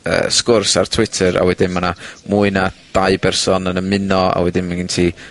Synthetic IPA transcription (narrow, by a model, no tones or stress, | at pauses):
ə̰ːskʊrsa̰rtʰw̥ɪtʰəɾa̰wɛdɪnmanamuːɨnad̥ajbɛrsɔnənəmɪnɔa̰wɛdɪnmaɡɪntʰi